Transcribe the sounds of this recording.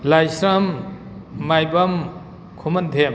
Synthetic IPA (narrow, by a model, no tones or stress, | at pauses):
lajsɾʌmː | ajbɐm | kʰumʌnd̪ʰʱem